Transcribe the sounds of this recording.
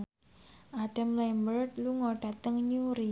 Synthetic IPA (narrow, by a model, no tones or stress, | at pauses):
ʔaɖ̥amlɛmbərt̪̚luŋɔɖ̥a̤t̪əŋɲuɾi